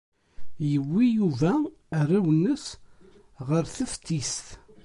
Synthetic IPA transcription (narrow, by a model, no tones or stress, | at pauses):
jəwːijuvæ | rˤːawənːəs | ʁəɾθəft̪ːisθ